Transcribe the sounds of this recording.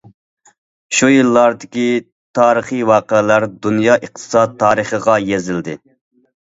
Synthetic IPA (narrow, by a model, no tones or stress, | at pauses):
ʃujilːɑɾd̪ɪkʲi | t̪ʰɑːɾəχiwɑːqəlæɾd̪unjɑːʔiqt̪ʰɨ̥sɑd̪t̪ʰːɑːɾəχəʁɑjezɪld̪ɪ